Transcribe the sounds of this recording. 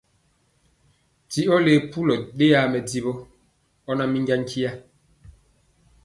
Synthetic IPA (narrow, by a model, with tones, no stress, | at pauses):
ti˦ɔ˦le˦˨pu˦lɔ˨ɗe˦a˨˦mɛ˨di˦bɔ˦ | ɔ˦na˦mi˦ŋɡa˦ŋ˦kʰi˦ja˦